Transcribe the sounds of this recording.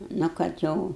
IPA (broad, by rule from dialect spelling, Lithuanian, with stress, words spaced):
ˈnʊ kɐt ˈjɛʊ